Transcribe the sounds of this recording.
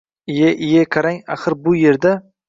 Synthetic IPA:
ɪjaʔɪjakʰaɾaŋa̰χɨɾbʊje̞ɾd̪a

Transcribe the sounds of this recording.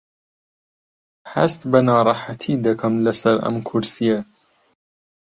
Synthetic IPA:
hɐ̰st̪bɐnɑːɾˤɑːħat̪ʰiːd̪ɐkʰɐmlɐsɐɾɐ̰mkʰʊɾsijɐ

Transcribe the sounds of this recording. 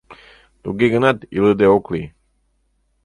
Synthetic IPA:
d̪̥uɡeɡənad̪ḭləd̪eokli

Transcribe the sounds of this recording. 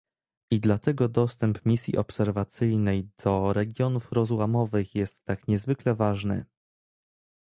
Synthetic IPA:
id̪lat̪ɛɡɔd̪ɔst̪ɛmpmʲisʲjḭʔɔpsɛɾvat̪sɘjnɛjd̪̥ɔɾɛɡʲjɔnufɾɔzwamɔvɘxjɛst̪ːakɲɛzvɘklɛvaʐnɘ̰

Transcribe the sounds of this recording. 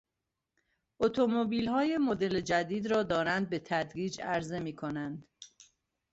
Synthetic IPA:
ʔot̪ʰo̞mobiːlhɒːjemod̪e̞led͡ʒæd̪iːd̪ɾɒːd̪ɒːɾænd̪̚be̞t̪ʰæd̪ɾiːd͡ʒæɾze̞miːkʰo̞nænd̪

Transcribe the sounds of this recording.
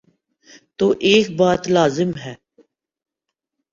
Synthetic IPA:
t̪oːʔeːk̚baːt̪laːzɪmɦɛː

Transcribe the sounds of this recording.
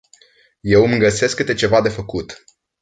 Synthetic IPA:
je̞wɨmɡəse̞skːɨt̪e̞t͡ʃe̞vad̪e̞fəkut̪

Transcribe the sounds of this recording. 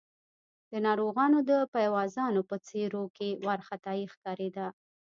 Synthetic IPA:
d̪̥ənɑɾoɣɑnod̪əpajwɑzɑnopət͡seɾokewaɾxat̪ɑjixkɑɾed̪a

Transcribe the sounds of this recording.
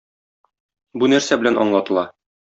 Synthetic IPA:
bunæɾsæbɘlænʔɒ̰ɴlˠɑt̪ɤ̆lˠɑ

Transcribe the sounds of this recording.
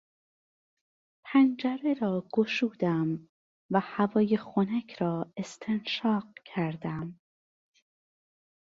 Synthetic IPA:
pʰænd͡ʒæɾeɾɒːɡ̥oʃuːd̪̥æm | væhævɒːjexonæcʰɾɒːe̞st̪ʰenʃɒːq̚cʰæɾd̪æm

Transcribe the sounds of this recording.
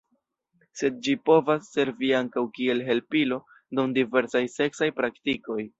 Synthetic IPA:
se̞d̚d͡ʒipo̞vasːe̞ɾviaŋkawkie̞lɦe̞lpilo̞ | dumdive̞ɾsajse̞ksajpɾaktiko̞j

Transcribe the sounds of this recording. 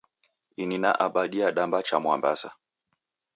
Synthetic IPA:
inina̰ʔaɓaɗiaɗambat͡ʃamwamba̰sa

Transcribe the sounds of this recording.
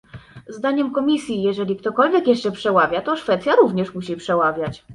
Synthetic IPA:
zd̪aɲɛmkɔmʲisʲjijɛʐɛlʲikt̪ɔkɔlvʲjɛkjɛʂt͡ʂɛpʂɛwavʲjat̪ɔʂfɛt̪sʲjaɾuvɲɛʂmuɕipʂɛwavʲjat͡ɕ

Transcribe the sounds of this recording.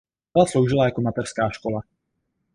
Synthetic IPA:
alaslowʒɪlajakomat̪ɛr̥skaːʃkola

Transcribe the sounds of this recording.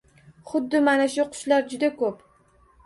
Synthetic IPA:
χʊd̪ːɪmanaʃʊqʰʊ̥ʃlaɾd͡ʒʊd̪akʰɵp

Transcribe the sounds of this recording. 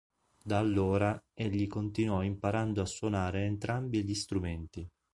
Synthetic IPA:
d̪aːlːoːɾaeʎːikont̪inwɔimpaɾand̪oasːwonaːɾeːnt̪ɾambiʎist̪ɾument̪i

